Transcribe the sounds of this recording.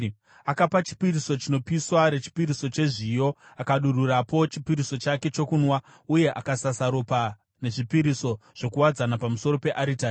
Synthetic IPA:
akapat͡ʃi̥piɾiso̞t͡ʃino̞piswaɾe̞t͡ʃi̥piɾiso̞t͡ʃe̞ʐijo̞akaɗururapo̞t͡ʃipiɾiso̞t͡ʃake̞t͡ʃo̞kunwa | uje̞ʔakasasaɾopa | ne̞ʐipiɾiso̞ʐ̥o̞kuwad͡zanapamuso̞ɾo̞pe̞ʔaɾita

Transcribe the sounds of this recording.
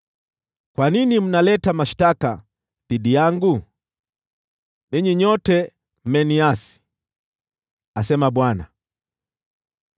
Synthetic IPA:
kwaninim̩nalɛtamaʃtaka | θiɗijaŋɡu | niɲiɲɔtɛ | m̩mɛniasi̥ | asɛmaɓwana̰

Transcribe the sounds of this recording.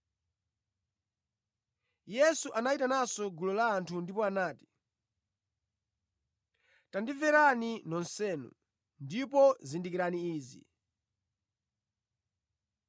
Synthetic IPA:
jɛsuʔanaitanasɔɡulɔlaːntʰundipɔanaːti̥ | tandivɛɾaninɔnsɛːnṵ | ndipɔzindikiɾaniiːzḭ

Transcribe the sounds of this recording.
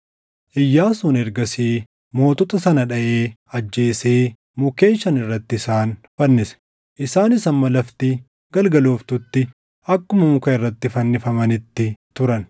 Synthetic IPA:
ʔɪjːaːsʊnɛɾɡɐsiː | mo̞ːt̪ʊt̪ɐsɐnɐᶑɐʔeːɐd͡ʒːe̞ːseː | mʊke̞ːnʃːɐnɪrːɐt̪ːɪːsaːnfɐnːɪsɛ̥ | ʔɪsaːnɪsɐmmɐlɐft̪ɪ | ɡɐlɡɐloːft̪ʊt̪ːɪ | ɐkːʊmɐmʊkɐɪrːɐt̪ːɪfɐnːɪfɐmɐnɪt̪ːɪt̪ʊɾɐn

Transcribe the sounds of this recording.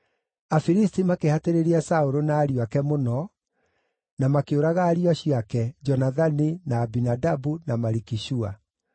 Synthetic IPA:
afiɾistimakehateɾeɾiasaoɾonaːɾiwakɛmonɔ | namakeoɾaɣaːɾiɔɕiakɛd͡ʒɔnaðaninaːbinadabunamaɾikiʃua̰

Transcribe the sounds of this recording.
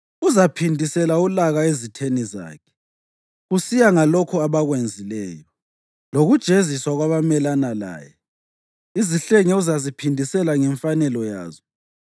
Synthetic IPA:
uzapʰindʱisɛlaulaɣaezitʰeniza̰ːkʰɛ̥ | ɣusijaŋalokʰuaβaɣwend͡zʱilɛ̰ːjɔ | loɣud̥ʒ̥ʱeziswaɣwaβamɛlanala̰ːjɛ | iziɬeŋɛuzazipʰindʱisɛlaŋɛɱfanɛlɔja̰ːzɔ

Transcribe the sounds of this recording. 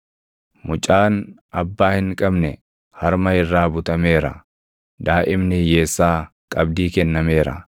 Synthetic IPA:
mʊt͡ʃʼaːn | ɐbːaːhɪŋkʼɐbnɛ | hɐɾmɐɪrːaːbʊt̪ɐme̞ːɾɐ̰ | d̪aːʔɪmnɪje̞ːsːaː | kʼɐbd̪iːkɛnːɐme̞ːɾɐ̰

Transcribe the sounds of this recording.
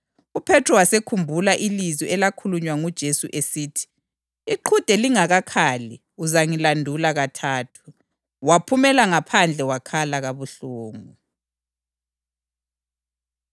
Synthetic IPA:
upʰɛtʰrɔwasekʰumbʱulaʔiliziʔɛlakʰuluɲwaŋud̥ʒ̥ʱesuʔesiːtʰi̥ | iǃʰud̥ʱɛliŋaɣakʰaːli | uzaŋilandʱulaɣatʰaːtʰu̥ | wapʰumɛlaŋapʰand͡ɮʱɛwakʰalaɣaβuɬuːŋu

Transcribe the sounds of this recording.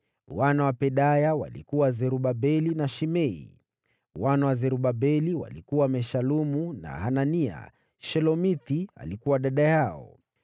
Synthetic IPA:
wanawapɛɗajawa̰lḭkuwazɛɾuɓabɛlinaʃimɛḭ | wanawazɛɾuɓabɛliwa̰likuwamɛʃalumuna̰ɦanania̰ | ʃɛlɔmiθia̰likuwaɗaɗajaɔ̰

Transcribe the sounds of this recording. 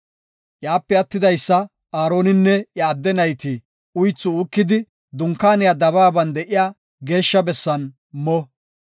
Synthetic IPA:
ʔjaːpːɛɐt̪ːɪd̪ɐjsːɐ | aːɾo̞ːnɪnːɛjɐːd̪ːɛnɐjt̪i | ʊjt͡sːʊʊkːɪd̪ɪ | d̪ʊŋkːaːnɪjad̪ɐβaːbɐnd̪ɛʔɪjaː | ɡe̞ːʃːɐbɛsːɐn | mɔ

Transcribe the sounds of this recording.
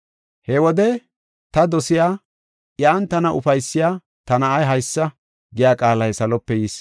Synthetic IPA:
hɛwɔd̪ɛ | t̪ɐd̪ɔsɪjaː | ʔɪjaːnt̪ɐnɐʔʊfɐjsːɪjaː | t̪ɐnɐːjɦɐjsːɐ | ɡɪjaːkʼaːlɐjsɐlɔpːɛjiːs

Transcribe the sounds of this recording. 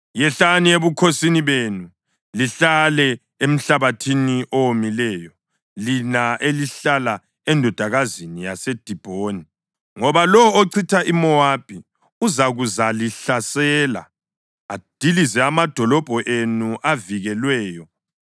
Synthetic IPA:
jɛɬanieβukʰosiniβenu | liɬalɛ | em̩ɬaβatʰiniʔowomilɛːjɔ | linaʔeliɬala | ɛndʱɔd̥ʱaɣazinija̰sed̥ʱib̥ʱoːni | ŋɔβalɔoǀʰitʰaʔimɔwab̥ʱʼi | uzaɣuzaliɬasɛːla̰ | ad̥ʱilizɛamad̥ʱɔlɔb̥ʱɔʔenuʔaviɣɛlwɛːjɔ

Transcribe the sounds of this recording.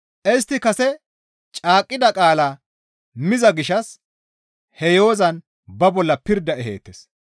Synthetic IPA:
ʔɛst̪ːɪkɐsɛ | t͡ʃʼaːkʼːɪd̪ɐkʼaːlaː | mɪzɐɡɪʃɐs | hɛjo̞ːzɐn | bɐbɔlːɐpɪɾd̪ɐɛɦḛːt̪ːes

